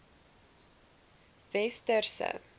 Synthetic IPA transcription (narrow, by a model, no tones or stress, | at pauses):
vɛstərsə̰